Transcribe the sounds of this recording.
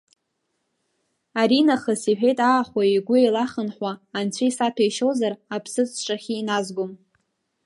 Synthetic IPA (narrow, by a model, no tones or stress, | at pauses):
aɾinaχəsiħᶣejtʼaːχʷaiɡʷʊelaχənħʷaːnt͡ɕʷʰaisapʰajʃowzarapʰsɨt͡sʰʂʼaχʲiːnazɡʷʊm